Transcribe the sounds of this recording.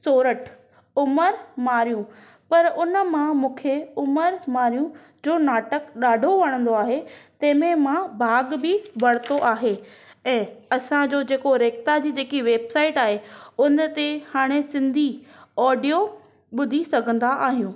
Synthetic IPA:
soːɾəʈ | ʊməɾmaːɾijũ | pɐɾʊnə̆mãmũːkʰeʊməɾmaːɾijũ | d͡ʑoːnaːʈəkɗaːɖʱoʋɐɽ̃ə̃nd̪oaːɦet̪ɐ̃ɦɪ̃mẽmãbʱaːɡbɪbɐɽɪt̪oʔaːɦe | ɛ̃ːɐsãd͡ʑoːd͡ʑeːkoɾeːk̚t̪ad͡ʑiːd͡ʑeːkiʋeːbsaːɪʈaːɦeʊnt̪ehaːɽ̃esɪ̃nd̪ʱiɔːɖijo | ɓʊd̪ʱisɐɡʱə̃nd̪aʔaːɦijũː

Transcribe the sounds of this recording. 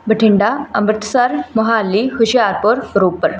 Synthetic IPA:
bəʈʰiɳɖaəməɾt̪saɾmɔɦalːihuɕjaɾpəɾɾopəɾ

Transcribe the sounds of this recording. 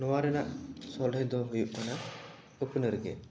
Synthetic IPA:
nɔwaɾɛnaʔsɔlejd̪ɔɦɔjuʔ̚mana | ɯpʰɯnɯɾɡɛ̰

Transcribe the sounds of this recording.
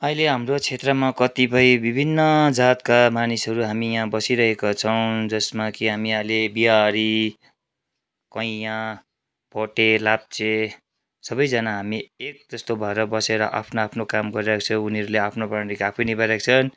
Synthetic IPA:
ʌileɦamrot͡sʰet̪rʌmakʌt̪ipʌjbibʱinːʌd͡zat̪kamanisɦʌɾuɦamijãbʌsiɾʌɦekat͡sʰʌw̃d͡zʌsmakiɦamiʌjlebiɦaɾi | kʌĩã | pʌʈelap̚t͡se | sʌbʌjd͡zʌnaɦamiek̚d͡zʌst̪obʱʌeɾʌbʌseɾʌʔa̰pʰnoapʰnokamɡʌɾiɾakt͡sʰʌ̃uniʌɾuleapʰnopaɾikapʰʌjnibaɾakt͡sʰʌn

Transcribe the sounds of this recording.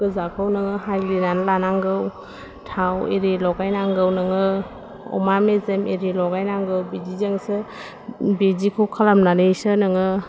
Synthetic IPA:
ɡ̥ɯzakʰɯwnɯŋɯɦajlinanlanaŋɡɯw | tʰawḛɾelɔɡajnaŋɡɯwnɯŋɯ | ɔ̰mamezemeɾelɔɡajnaŋɡɯwbed͡ʒizeŋsɯ | bezikʰɯwkʰalamnanɯjsɯnɯŋɯ

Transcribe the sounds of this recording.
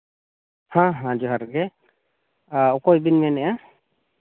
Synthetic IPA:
hãɦãd͡ʒuɦaɾɡɛ | ɔkɔjbinmɛnɛja

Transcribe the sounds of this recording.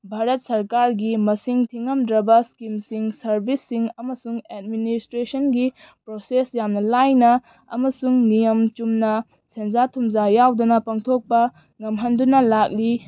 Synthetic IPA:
bʱaɾɐt̚sɐɾkaɾɡimɐsiŋtʰiŋːɐmdɾɐbɐskimsiŋsɐɾbisːiŋɐmɐsuŋed̚ministɾesɐnɡi | pɾosesjamnɐlajnɐ̰ː | mɐsuŋnijɐmt͡ʃumnɐ | send͡ʒatʰumzajawdunɐpaŋtʰok̚pɐ | ŋɐmɦɐndunɐlak̚li

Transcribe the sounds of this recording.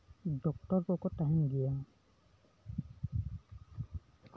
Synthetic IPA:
dɔk̚tɔɹkɔkɔtaɦĩnɡija

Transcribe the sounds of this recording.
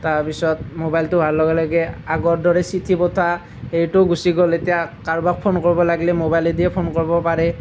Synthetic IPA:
taɹpisɔt̚mobajltʊbʱaɹlɔɡɛlɔɡɛaɡɔɹdɔɹɛsitʰibɔtʰa | ejtʊɡusiɡɔletijakaɹbak̚pʰonkoɹibɔlaɡlɛmobajledijɛpʰonkoɹibɔpaɹɛ

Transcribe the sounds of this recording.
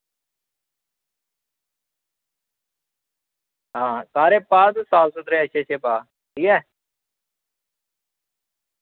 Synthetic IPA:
ɦãːkaːɾeːpaːd̪usaːwsʊt̪ɾeːəʃʰeːt͡ʃʰeːpaː | ʈʰiːkɛː

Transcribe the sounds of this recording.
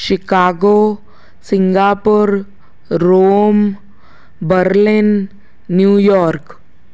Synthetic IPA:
ʃikaɡo | siŋɡapuɾː | oːm | bəɾlinː | juːjɔɾk

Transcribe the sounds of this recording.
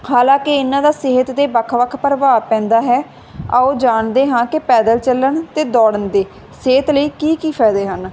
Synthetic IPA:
haːlãːkɪɪnːãːd̪aːsɪɦət̪d̪eːbəkʰʋəkʰpəɾʋaːpɛ̃ːnd̪aːɦɛː | aoːd͡ʒaːɳd̪eːɦãːkɪpɛːd̪əlt͡ʃəlːəɳt̪eːd̪ɔːɽənd̪eː | seːət̪ləiːkiːkiːpʰɛːd̪eːɦən

